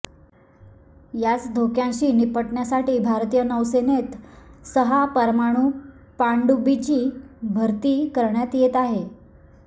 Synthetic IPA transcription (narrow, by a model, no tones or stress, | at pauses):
jat͡sd̪ʱokjãɕiːnipəʈɳjasaʈiːbʱaɾt̪ijənəʋsenet̪səɦapəɾmaɽ̃uː | paɳɖubit͡ɕiːbʱəɾt̪iːkəɾɳjat̪jet̪aɦe